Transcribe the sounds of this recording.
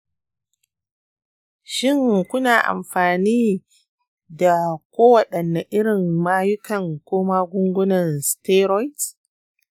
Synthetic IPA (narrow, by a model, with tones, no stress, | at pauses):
ʃɪ˦˨ŋkʷʊ˦naː˨ʔa̰˨mɸaː˨niː˦ | da˨kʷoː˦wɐ˨ɗɐ˨nːa˨ʔɪ˦ɽɪ˨ŋmaː˦jʊ˦kɐ˨ŋkʷoː˦maː˦ɡʷʊ˦ŋɡʷʊ˦nɐ˨nsteː˦ɾɔ˦jt